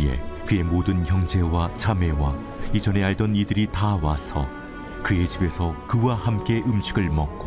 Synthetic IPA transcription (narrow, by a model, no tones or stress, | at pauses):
e̞̰kɯe̞modɯnçjʌŋd͡ʑe̞wat͡ɕame̞wa | id͡ʑʌne̞aɭdʌnidɯɾitawasʰʌ | kɯe̞t͡ɕibe̞sʰʌkɯwahamk͈e̞ʔɯmɕʰiɡɯɭmʌk͈o